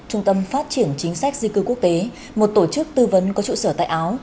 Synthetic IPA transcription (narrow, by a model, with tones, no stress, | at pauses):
t͡ɕʊ˧ŋ͡mt̪ə˧mfaː˦˥t̚t͡ɕi˧˩ənt͡ɕï˨˦ŋ̟sa˦˥jk̟̚zï˧kɨ˧ku˦˥ək̚t̪e˨˦ | mo˨˩t̚t̪o˧˩t͡ɕɨ˦˥k̚t̪ɨ˧və˨˦nkɔ˨˦t͡ɕṵ˧˨səː˧˩t̪a̰ː˧˨ʔaː˨˦w